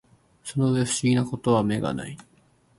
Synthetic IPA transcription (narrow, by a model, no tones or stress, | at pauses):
so̞noβeɸɯ̟ɕiɡʲinako̞t̪o̞β̞ame̞ɡa̰na̰i